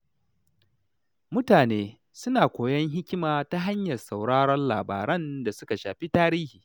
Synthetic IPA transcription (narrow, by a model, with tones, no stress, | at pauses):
mʊ˦taː˨neː˦ | sʊ˦naː˨kʷoː˨jɐ˦ŋɦɪ˦kʲɪ˦maː˨ta˦ɦa˦ɲjɐ˨rsa˨wɽaː˦ɽɔ˦nlaː˨ba̰ː˨ɾɐ˦nda˨sʊ˦ka˨ʃaː˨ɸi˦taː˦ɾiː˦hiː˨